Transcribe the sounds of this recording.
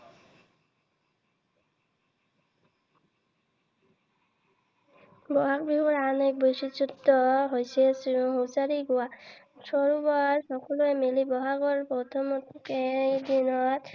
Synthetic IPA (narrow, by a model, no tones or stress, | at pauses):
bɔɦak̚biɦɔɹanek̚besisutːɔɦojsɛsɦosaɹiɡuwa | sɔɹubaɹsɔkɔluɛmelibɔɦaɡɔɹpɔtʰɔmɔtkedinɔt̪